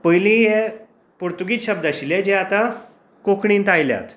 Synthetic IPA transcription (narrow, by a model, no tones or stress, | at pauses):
pəjlĩɦe | puɾt̪uɡiːɕəb̚d̪aɕiled͡ʑeat̪a | kokʰɳ̃ĩːnt̪ajlja̰t̪